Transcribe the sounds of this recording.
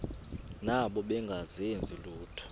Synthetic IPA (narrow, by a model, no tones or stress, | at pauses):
naɓɔɓɛŋɡʱazend͡zʱiluːtʰɔ̥